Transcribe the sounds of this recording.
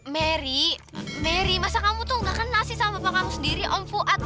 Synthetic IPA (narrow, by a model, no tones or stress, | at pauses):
mɛɾi | mɛɾimasakamut̪uɡakənlasisamapakamusəndiɾiʔɔmfuʔat̪̚